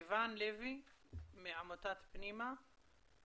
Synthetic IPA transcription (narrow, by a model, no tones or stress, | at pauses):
vanlevimeʕamot̪at̪pnima